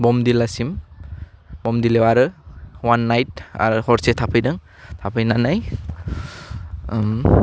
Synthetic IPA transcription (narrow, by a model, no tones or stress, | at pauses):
bɔmdilasim | bɔmdilewaɾɯwanːajta̰ɾɯhɔɾsetʰapʰɯjdɯŋ | tʰapʰɯjnanaj | m